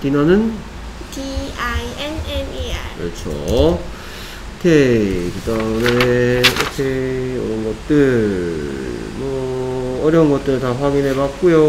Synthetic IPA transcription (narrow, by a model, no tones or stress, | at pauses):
tinanɯn | diaienenkʌt͡ɕʰo̰ | tʰekɯdauneokʰeʌɾʌnɡʌt̚t͈ɯɭɭmʌʌɾjʌunɡʌt̚t͈ɯɾɯɭtaɸwaɡinɦe̞bak̚k͈ujo